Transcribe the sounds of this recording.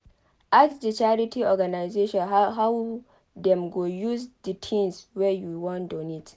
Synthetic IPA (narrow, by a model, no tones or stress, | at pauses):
ʔaksdit͡ʃaɾitiʔɔɡanajzeʃɔ̃nɦaw | dɛmɡojuzditʰĩnswɛjuwɔ̃ndonit